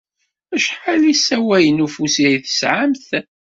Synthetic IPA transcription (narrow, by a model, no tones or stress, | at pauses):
æʃħalisæwæjənufusiiθə̥sʕamθ